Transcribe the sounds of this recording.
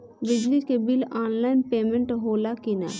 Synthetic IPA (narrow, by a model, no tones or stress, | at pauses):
bɪd͡ʒlikebɪlaːnlaːɪnpeːmə̃ɳʈɦoːlakina̰ː